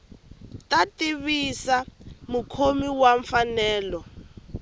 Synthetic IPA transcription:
tatiβisamukʰomiwaɱfanɛːlɔ

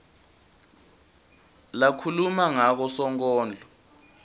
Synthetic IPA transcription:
lakʰulumaŋak̬ɔsɔŋkɔːnd͡ɮʱɔ

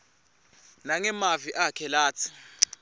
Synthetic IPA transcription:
naŋɛmaviʔakʰɛlaːt͡sʰi̥

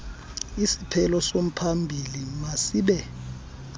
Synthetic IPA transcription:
isipʰɛlɔsom̩pʰambʱilimasiːɓɛ

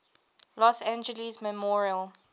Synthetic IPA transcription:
lɔsæ̃nd͡ʒəlizmɛmɔɹiəl

